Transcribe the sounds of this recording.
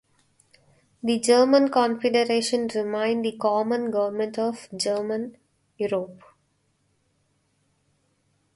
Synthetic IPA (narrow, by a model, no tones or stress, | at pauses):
d̪id͡ʒəːɾmə̃nkɔ̃nfeɖəɾeːʃə̃nɾɪmãɪ̃ɳɖd̪ikɔːmə̃nɡʌʋəɾmə̃ɳʈɔʋd͡ʒəːɾmə̃n | juːɾoːp